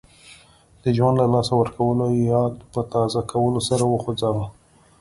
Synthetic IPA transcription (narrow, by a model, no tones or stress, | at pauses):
d̪̥əʒwand̪lalɑsawəɾkawəlojɑd̪pət̪ɑzakʰawəlosaɾawəxod͡zawa